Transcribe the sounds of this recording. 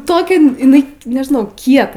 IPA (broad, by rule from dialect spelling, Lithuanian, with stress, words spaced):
ˈtoːkʲɛ ɪˈnɐɪ nʲɛʒʲɪˈnɐʊ ˈkʲiɛtɐ